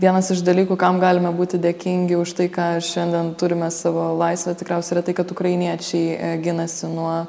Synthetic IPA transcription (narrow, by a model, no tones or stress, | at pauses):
ʋʲiɛnɐsɪʃd̪ɐlʲiːkukɐmɡɑːlʲɪmɐbuːt̪ʲɪd̪ʲeːkʲɪŋʲɡʲɪʊʃt̪ɐɪkɑːʃʲɛnʲd̪ʲɛnt̪ʊɾʲɪmʲɛsɑːʋoːlˠɐɪsʲʋʲɛt̪ʲɪkɾʲɛʊsʲɛɪɾɐt̪ɐɪkɐt̪ʊkɾɐɪnʲiɛt͡ʃʲɛɪɡʲɪnɐsʲɪnuɔ